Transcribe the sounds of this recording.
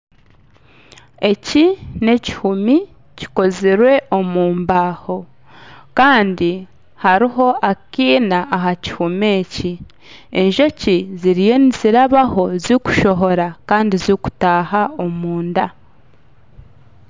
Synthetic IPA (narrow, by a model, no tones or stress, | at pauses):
e̞cine̞ci̥humi | ci̥ko̞ziɾwe̞ʔo̞muːmbaːho̞ | kaːndi | haɾiɦo̞ʔakiːnaːɦaci̥hume̞ːci | e̞nʒo̞ciziɾije̞niziɾaβaho̞zuku̥ʃo̞ɦo̞ɾakaːndizuku̥taːhao̞muːnda